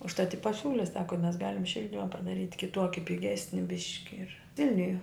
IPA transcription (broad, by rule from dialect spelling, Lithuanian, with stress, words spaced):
ʊʃˈtɐt ɪ pɐˈsʲuːlʲɪ ˈsɑːkoː mʲɛs ˈɡɑːlʲɪm ˈʃʲɪlʲdʲɪmɐ pɐdɐˈrʲiːtʲ kʲɪˈtuɔkʲɪ pʲɪˈɡʲæːsʲnʲɪ ˈbʲɪʃʲkʲɪ ɪr ˈʋʲɪlʲnʲʊjɛ